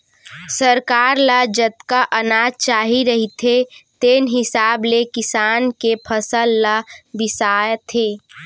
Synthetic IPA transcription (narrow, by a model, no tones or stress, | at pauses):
səɾkaːɾlad͡ʒət̪kaʔənaːd͡ʒt͡ʃaːɦiɾəɦit̪ʰet̪eːnɦɪsaːblekɪsaːnkepʰəsəlːabɪsaːt̪ʰeː